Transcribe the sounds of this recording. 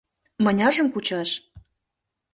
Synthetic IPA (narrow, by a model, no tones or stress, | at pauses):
mɤ̆nʲɑʒə̆mkut͡ɕɑʃ